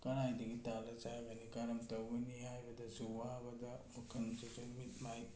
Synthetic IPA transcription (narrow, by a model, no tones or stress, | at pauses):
kɐnajdɐɡitalɐt͡ʃajbɐnikaɾɐmtɐwɡɐniɦajbɐdɐsuwabɐdɐmɐkʰɐnsukɐlbit̚maj